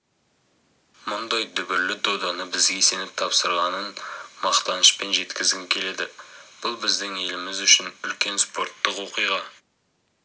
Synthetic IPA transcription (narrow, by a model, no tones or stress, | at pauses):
mʊnd̪ɑjd̪ʏbɪɾlɪd̪o̞d̪ɑnəbɪzɡʲe̞se̞nɪp̚t̪ʰɑpsəɾʁɑnənmɑqt̪ɑnəʃpe̞nʒe̞t̪kʲɪzɡʲɪŋkʲʰe̞le̞d̪ɪb̥ʊlˠbɪzd̪ɪŋe̞lɪmɪzʏʃɪnʏlkʲe̞nspo̞ɾt̪ːəqwo̞qijʁɑ